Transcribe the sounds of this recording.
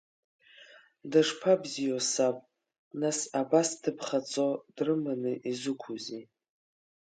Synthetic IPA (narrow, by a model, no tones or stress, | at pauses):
daʂpʰabzijosapʼ | nasabastʰɨpʰχat͡sʼod̥rɨmanɨʔizɨkʷʰuzi